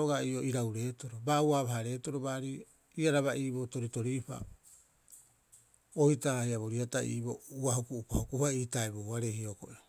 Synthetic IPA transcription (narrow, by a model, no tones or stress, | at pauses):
oɡaio̞iɾawɾe̞ːtoɾobaːuaβaɦaɾe̞ːtoɾo̞baːɾi | iaɾaβaʔiːbo̞to̞ɾito̞ɾipa̰ | ojtaahiaβo̞ɾiataḭːbo̞uahokuupa̰hokuhaiːtaebowaɾehioko̰ʔeo